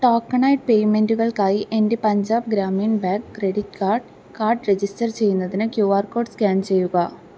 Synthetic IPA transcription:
ʈoːkːɐɳɐjʈ̚pe̞jme̞nduɣɐɭkaːjiʔe̞nde̞pɐɲd͡ʑaːbɡɾaːmijnbaːkːre̞ɽitkaːrɖ | kaːrɖre̞d͡ʑisʈɐrt͡ɕe̞jːunːɐðinɨkjuːaːrko̞ːɖskaːnt͡ɕe̞jːuɣɐ

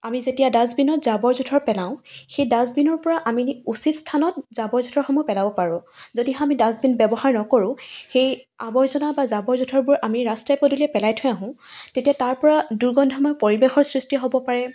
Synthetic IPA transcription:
amizetijadazbinɔtzabɔɹzutʰɔɹpɛlãʊ̃xejdazbinɔɹpɔɹaʔamiusitstʰanɔt̚zabɔɹzutʰɔɹxɔmɔpɛlabɔpaɹʊ̃zodiɦɔ̃amidazbinbɛbɔɦaɹnɔkoɹʊ̃xejabɔɹzɔnabazabɔɹzutʰɔɹbʊɹʔamiɹastajpɔduliɛpɛlajtʰʊɛ̃aɦʊ̃tetijataɹpɔɹaduɹɡɔndʱɔmɔjpoɹibexɔɹsɹistiɦobɔpaɹɛ

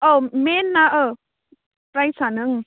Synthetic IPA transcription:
omenːaʔə | pɾajsanɯŋ

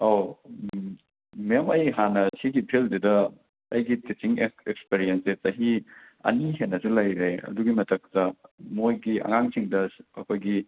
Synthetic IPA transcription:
aw | mijamɐjɦanɐsiɡipʰeldedɐ | ɐjɡitet͡ʃiŋeekspeɾijensezɐɦi | ɐ̰niɦenːɐsulɐjɾeɐ̰duɡimɐtʰɐk̚tɐmojɡiɐ̰ŋaŋsiŋdɐɐkʰojɡi

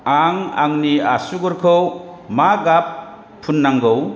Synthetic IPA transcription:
aŋa̰ŋniasuɡɔɾkʰɯwmaɡapʰː | unːaŋɡɯw

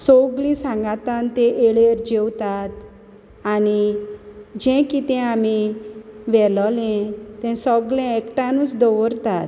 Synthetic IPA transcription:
sɔɡlĩsãŋɡat̪ant̪ẽʔeɭeɾd͡ʑewt̪at̪ | ani | d͡ʑɛ̃kit̪ɛ̃ami | ʋɛlɔlɛ̃t̪ɛ̃sɔɡlɛ̃ekʈãnũt͡sd̪ɔʋəɾt̪at̪

